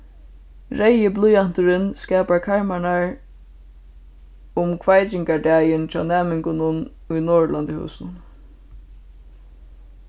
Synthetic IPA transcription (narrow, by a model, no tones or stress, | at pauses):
ɹɛjəblʊjan̥t̪ʊɾɪnskɛːpaɹkʰaɹmaɳaɹ | ʊmkʰvajt͡ʃɪŋkaɖæːjɪnt͡ʃʰa̰ːnɛːmɪŋkʊnʊn | ʊjnoːɹland̪ɪhṵːsnʊn